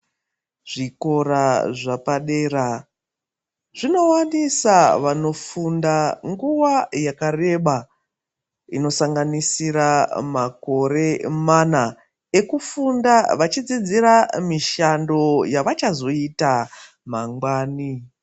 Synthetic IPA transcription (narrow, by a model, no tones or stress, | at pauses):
ʐ̥iko̞ɾaʐapaɗeːra | ʐ̥ino̞wanisaʋano̞fundaŋɡuʋajakare̞ɓa | ḭno̞saŋɡanisiɾamako̞ɾe̞mana | e̞kufundaʋat͡ʃid͡zid͡ziramiʃando̞jaʋat͡ʃazo̞ita | maŋɡwaːni